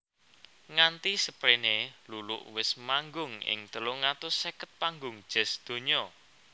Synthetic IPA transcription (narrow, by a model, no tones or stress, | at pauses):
ŋant̪isəpɾenelulʊ̰ʔwɪsmaŋɡʊŋɪ̰ŋt̪əlʊŋat̪ʊsːekət̪̚paŋɡʊŋd̥ʒ̥ɛ̤sd̪̥o̤ɲɔ